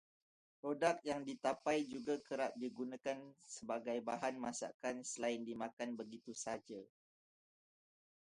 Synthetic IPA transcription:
pɾodak̚t̪̚jaŋdit̪apajd͡ʒuɡakəɾat̪̚diɡunãkansəbaɡajbaɦanmasa̰kansəlaɪndimãkanbəɡit̪usad͡ʒa

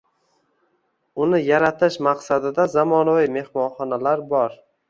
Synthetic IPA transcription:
ʊnɪjaɾat̪ʰɪʃmaqsad̪ɪd̪azamɒnavime̞hmɒnχɒnalaɾbɒɾ

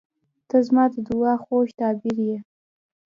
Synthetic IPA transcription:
t̪əzmɑd̪əd̪uɑxoʃt̪ɑbɪɾje

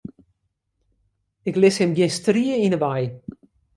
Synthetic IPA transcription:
ɪklɪshɛmɡɪstriəinəʋaj

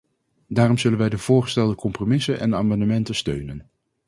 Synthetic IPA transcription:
daːrɔmzɵlənʋɛjdəv̥ʊːɹχə̥stɛlˠdəkɔmpromɪsənʔɛ̰naːmɑndəmɛntəstøɥnən

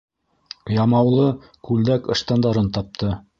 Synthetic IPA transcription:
jɑmɑwlˠɤ | kʉld̪ækɤ̆ʃt̪ɑnd̪ɑɾɤnt̪ɑp̚t̪ʰɤ

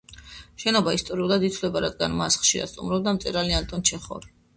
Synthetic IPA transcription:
ʃɛnɔbaist̪ʼɔɾiulˠad̪it̪ʰlɛbaɾad̪̚ɡanmasχʃiɾa̰st̪ʼṵmɾɔb̚d̪amt̪sʼɛɾaliant̪ʼɔnt͡ʃʰɛχɔ̰ɾi

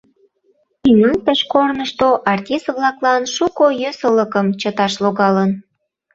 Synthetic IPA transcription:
ynənt̪əʃkornəʃt̪oʔɑrtʲist̪βlɑklɑnʃukojøsələkəmt͡ɕət̪ɑʃloɣɑlən

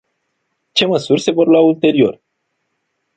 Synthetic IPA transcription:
t͡ʃe̞məsurʲse̞vo̞rlault̪e̞ɾio̞r

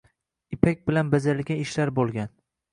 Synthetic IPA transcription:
ɪpʰak̚ʲbɪlanbazaɾlɡʲaɪʃlaɾbolˠɡʲan

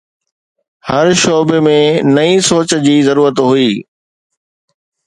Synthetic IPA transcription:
hɐɾʃoːbemẽnɐĩsoːt͡ɕ̆d͡ʑiːzɐɾuːɾət̪ɦuiː

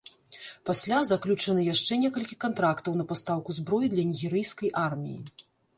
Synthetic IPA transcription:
pasʲlʲazaklʲut͡ʂɐnɨjaʂt͡ʂɛnʲɛkɐlʲkʲikant̪ɾakt̪ɐwnɐpast̪awkuzbɾɔjid̪lʲɐnʲiɣʲɛɾɨjskɐjʔarmʲḭjḭ

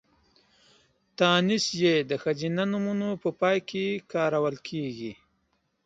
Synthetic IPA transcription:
t̪ɑːnisjed̪əxazinanumunopəpɑːjkekɑːɾawəlkʰeɡi

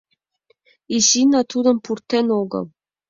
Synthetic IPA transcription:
iɕinɑt̪ud̪ɤ̆mpurt̪ːenoɡɤ̰lˠ

